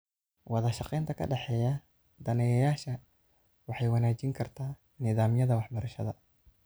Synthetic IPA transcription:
wɑðɐʃɑqɛjnt̪ʰɐkʰɐ̰ɖɛħɛːjɐ | d̪ɐnɛjɐjaːʃɐ | wɑħɑjwɑnaːt͡ʃɪŋkʰɐrt̪ʰaː | nɪðaːmjɐðɐwɑħbɐɾɐʃɐ̰ðɐ̰

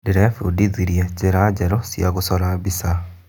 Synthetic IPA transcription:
deɾɛfudiðiɾiɛt͡ʃeɾad͡ʑɛɾɔsjaɣosɔɾabisa

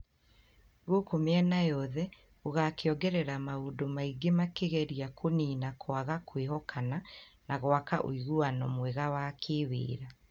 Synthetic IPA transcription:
ɣokomeɛnajɔðɛ | oɣakeɔɡɛɾɛɾamaodomaiɡemakeɣɛɾiakʰoniːnakʰwaɣakweɦɔkʰananaɣwakaʔo̰iɣuanɔmweɣawaːkʰewḛːɾa

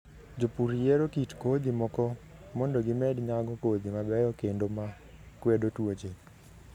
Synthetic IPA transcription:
d͡ʒopuɾijeɾokitkod̪imɔkɔ | mɔndoɡɪmɛdɲaɡɔkod̪imabɛjɔkendoma | kwedotwod͡ʒe

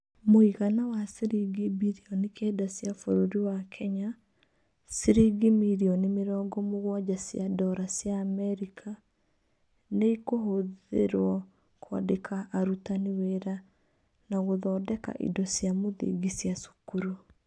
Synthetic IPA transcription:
moiɣanawaseɾiɡibiɾiɔnikʰɛːdasjafoɾoɾiwakʰɛɲa | seɾiɡimiɾiɔnimeɾɔːɡɔmoɣwad͡ʒasjadɔɾasjaːmɛɾikʰa | neikoɦoðḛɾwɔ | kʰwa̰dekʰaʔːɾutaniweɾa | naɣoðɔːdɛka̰ʔḭdɔsjamoðḭɡisjasu̥kuɾu

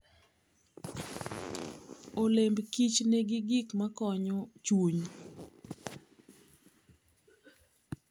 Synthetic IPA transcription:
olembkit͡ʃneɡiɡikmakɔɲɔt͡ʃwoɲ

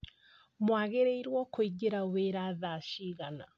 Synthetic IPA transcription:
mwaɣeɾeiɾwɔkoiɡeɾaweɾaːðaʃiɣana

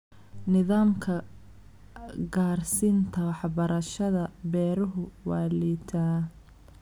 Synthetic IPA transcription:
nɪðaːmkʰɐ | ɡaːrsɪnt̪ʰɐwɑħbɐɾɐʃɐðɐbɛːɾʊɦʊwɑːliːt̪ʰaː

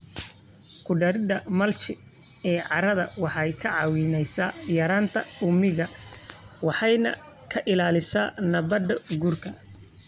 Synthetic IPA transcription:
kʰʊɖɐɾɪd̪ɐmɐlt͡ʃɪ | ɛːʕɑɾɐðɐwɑħɑjkʰɐʕɑwɪnɛjsaːjɐɾaːnt̪ʰɐʊmɪɣɐ | wɑħɑjnɐ̰ | kʰɐʔɪlaːlɪsaːnɐbɐd̪ɐɡuːrkʰɐ

